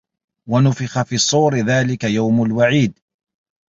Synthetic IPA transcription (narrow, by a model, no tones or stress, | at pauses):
wanʊfɪxafiːɑsˤːuːɾɪðaːlɪkajawmʊlwaʕiːd̪